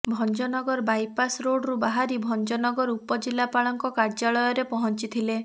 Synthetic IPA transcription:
bʱɔnd͡ʒɔnɔɡɔɾbajpasɾoɽɾubaɦaɾibʱɔnd͡ʒɔnɔɡɔɾupɔd͡ʒilapaɭɔŋkɔkaɾd͡ʒaɭɔjɔɾepɔɦɔnt͡ʃit̪ʰile

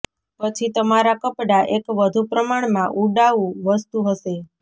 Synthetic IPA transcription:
pət͡ʃʰit̪əmaɾakəpɽaʔekʋəd̪ʱupɾəmaɳ̃mãʔuɖaʋũʋəst̪uɦəʃe

